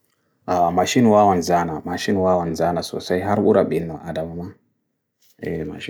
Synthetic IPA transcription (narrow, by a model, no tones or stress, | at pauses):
ʔamaʃinwawanzanamaʃinwawanzanaso̰sajɦaɾɓuɾaɓinːaʔadamama | ema̰